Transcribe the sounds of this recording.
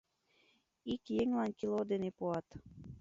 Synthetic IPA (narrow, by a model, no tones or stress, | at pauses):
ikjeŋlɑnkilod̪enepuɑt̪